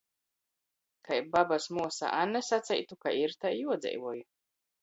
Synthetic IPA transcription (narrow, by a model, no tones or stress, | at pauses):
kajbabasmuɔsa̰ʔanːɛsat̪sʲɛ̰jt̪ukaiɾt̪ajjuɔd̪zʲɛ̰jvuɔju